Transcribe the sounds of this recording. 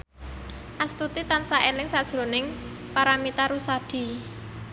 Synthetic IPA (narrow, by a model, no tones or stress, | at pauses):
ʔast̪ut̪it̪ansaʔelɪŋsad̥ʒ̥ɾo̤nɪŋ | paɾamit̪aɾusad̪̥i̤